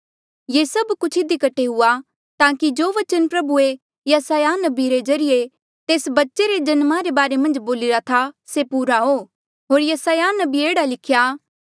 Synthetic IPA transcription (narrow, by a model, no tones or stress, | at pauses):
jesɐbkʊt͡ʃʰɪd̪ikɐʈʰeɦʊa | t̪ãːkid͡ʒoːʋɐt͡ʃənpɾɐbue | jɐsaːjanɐbiɾezɐɾɪje | t̪eːsbɐtːʃeɾed͡ʒɐnmaɾebaːɾemɐ̃nd͡ʒboːlɪɾat̪ʰasepuːɾaɦo | ɦoːɾjɐsaːjanɐbieːɽalɪkʰjaː